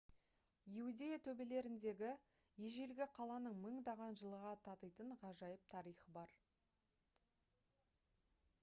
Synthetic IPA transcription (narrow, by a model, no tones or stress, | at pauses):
iud̪ʲe̞jat̪ʰɵbe̞le̞ɾɪnd̪e̞ɡʲɪ | jeʒe̞lɡʲɪqʰɑlˠɑnəɴməɴd̪ɑʁɑnʒəlˠəʁɑt̪ʰɑt̪əjt̪əɴʁɑʒɑjəp̚t̪ʰɑɾijχəbɑɾ